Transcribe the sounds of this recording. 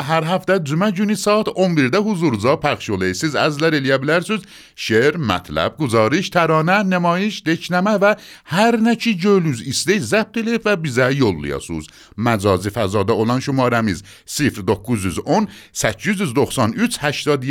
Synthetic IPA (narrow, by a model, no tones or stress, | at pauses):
ɦæɾɦæft̪æd͡ʒumæd͡ʒunisɒːt̪ʰombiɾd̪æɦuzuɾzɑːpʰæχʃolejsizæzlæɾelijæblæɾsyz | ʃeɾmæ̰t̪ʰlæ̰b̚ɡuzɑːɾiʃt̪ʰæɾɒːnænemɒːjiʃd̪et͡ʃʰnæmævæhæɾnæt͡ʃʰid͡ʒøluzisd̪ejzæp̚t̪elefvæbizæjolːḭjɑ̰sṵz | mæd͡ʒɒːzifæzɒːd̪æolɑnʃumɑːɾæmiz | sifɾd̪okːuzyzon | sæt͡ʃʰːyzyzd̪oxsɑnyt͡sʰhæʃt̪ɒːd̪